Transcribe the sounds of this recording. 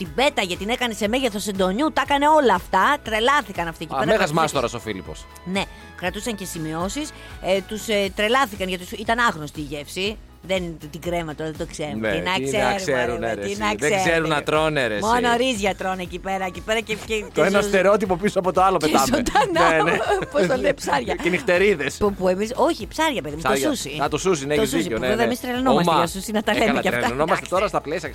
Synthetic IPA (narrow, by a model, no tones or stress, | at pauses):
t̪ibe̞t̪ɐʝɐt̪inekɐne̞se̞me̞ʝeθo̞send̪o̞ɲut̪ɐkɐne̞o̞lɐːft̪ɐt̪ɾe̞lɐθikɐnɐft̪ieciemɐeɣɐzmɐst̪oɾɐsofilḭpo̰s | ne̞ | kɾɐt̪usɐɲce̞simio̞sis | t̪ust̪ɾe̞lɐθikɐnʝɐt̪isit̪ɐnɐɣnost̪iʝe̞fsi | ðennt̪t̪iɡɾemɐt̪oɾɐðed̪okse̞ɾṵinɐseɾseɾuinɐkðeezeɾunɐt̪ɾoneɾesmonoɾizʝɐt̪ɾonecipe̞ɾɐecipeɾɐceceoenost̪eɾot̪ipopisoɐpot̪oɐlopet̪ɐmot̪ɐnnenepost̪oleipsɐɾʝɐenixt̪e̞ɾiðespupuemiso̞çipsɐɾʝɐpe̞ðimustosusiɐt̪osusinet̪oezsuisiopevevɐemist̪ɾelɐnomɐsmeɐeosusinɐt̪ɐleɐmeeɐɾet̪ɐlnomɐst̪et̪o̞ɾɐst̪ɐplesiɐ